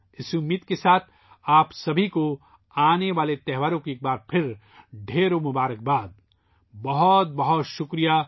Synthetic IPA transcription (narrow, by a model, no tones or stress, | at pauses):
ɪsumit̪kesaːt̪ʰ | aːpsɐbʱiko | aːneʋaːlet̪ɛɦʋaːɾõkeeːk̚baːɾpʰɪɾ | ɖʱeːɾomʊbaːɾək̚baːd̪̚ | bɐɦɔt̪̚bɐɦɔt̪ʃʊkɾija